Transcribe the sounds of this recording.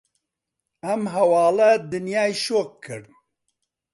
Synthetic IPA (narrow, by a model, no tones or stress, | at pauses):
ɐmɦɛwɑːlɛd̪ɨnjaːjʃoːk̚kʰɨɾd̪̚